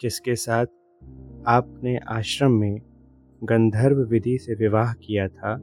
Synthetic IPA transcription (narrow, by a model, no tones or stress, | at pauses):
kɪskesaːt̪̚ʰ | aːp̚neʔaːʃɾəmːẽ | ɡɐ̃nd̪ʱəɾbʋɪd̪ʱiseʋɪʋaːɦkijat̪ʰaː